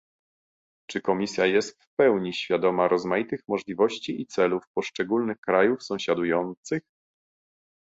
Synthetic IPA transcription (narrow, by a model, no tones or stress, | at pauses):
t͡ʂɘkɔmʲisʲjajɛst̪fpɛwɲiɕfʲjad̪ɔmaɾɔzmajit̪ɘxmɔʐlʲivɔɕt͡ɕiit̪sɛlufpɔʂt͡ʂɛɡulnɘxkɾajufsɔ̃w̃ɕad̪ujɔnt̪sɘx